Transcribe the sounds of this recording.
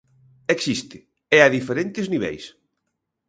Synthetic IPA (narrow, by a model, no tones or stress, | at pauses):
eksist̪ɪ | ɛaðifeɾent̪ɪzniβɛ̰js